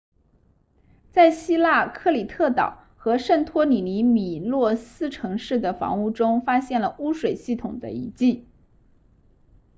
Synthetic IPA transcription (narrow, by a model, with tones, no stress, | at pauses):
t͡sa˥˩ɪɕi˥la˥˩˧kʰɤ˥˩li˨˩t̪ʰɤ˥˩t̪ɑ̰˨˩˦ʊ | xɤ˧˥ʂə˥˩nt̪ʰwɔ˥ni˨˩ni˧˥mi˨˩lwɔ˥˩sɹ̩˥ʈ͡ʂʰɤ˧˥ŋʂɻ̩˥˩d̪ə˩fɑ̰˧˥ŋu˥˩ʈ͡ʂʊ˥ŋfa˥ɕjɛ˥˩nlə˩u˥ʂwe˨˩ɪɕi˥˩t̪ʰʊ˨˩ŋd̪ə̰˦i˧˥t͡ɕi˥˩